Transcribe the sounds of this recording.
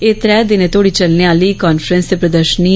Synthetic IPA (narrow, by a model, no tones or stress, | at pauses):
eːt̪ɾɛːd̪ɪneːt̪oːɽiːt͡ʃəlneaːliːkaːnfʰɾə̃nst̪eːpɾəd̪əɾʃəni